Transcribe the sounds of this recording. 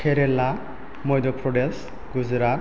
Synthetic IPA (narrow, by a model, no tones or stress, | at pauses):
kʰeɾela | mɔjd̪ɔpʰɾɔɖels | ɡuzɾa